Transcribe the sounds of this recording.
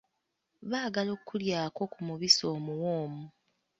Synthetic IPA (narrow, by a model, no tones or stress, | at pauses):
βaːɡaloːkːuljaːko̞kumuβiso̞ːmuwoːmu